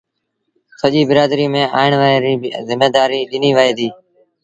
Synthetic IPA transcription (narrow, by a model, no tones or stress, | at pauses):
səʄiːbɪɾaːd̪ɾiːmẽːʔa̰ːɪɳʋaːeːɾiːzɪmeːd̪aːɾiːɗɪniːʋaːeːd̪iː